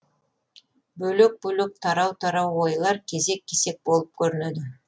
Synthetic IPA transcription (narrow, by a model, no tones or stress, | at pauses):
bɵlek̚bɵlek̚t̪ʰɑɾɑwt̪ʰɑɾɑwojlˠɑɾkʲʰe̞ze̞kʲʰːe̞se̞k̚bo̞lˠəp̚kʲʰɵɾɪnød̪ɪ